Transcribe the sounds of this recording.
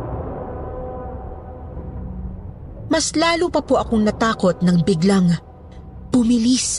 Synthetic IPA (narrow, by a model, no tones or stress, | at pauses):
mɐslaːlupɐpoʔɐkoŋnɐt̪aːko̞t̪̚nɐŋbɪɡlaŋ | b̥ʊmɪlis